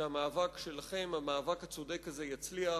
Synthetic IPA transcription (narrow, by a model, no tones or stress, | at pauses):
amaːvakʃelaχe̞mamaːvakhat͡sod̪ekːazejat͡slia